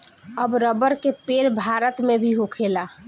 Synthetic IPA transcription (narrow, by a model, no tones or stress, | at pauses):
əbɾəbəɾkepeɾbʱaɾət̪mebʱiɦokʰela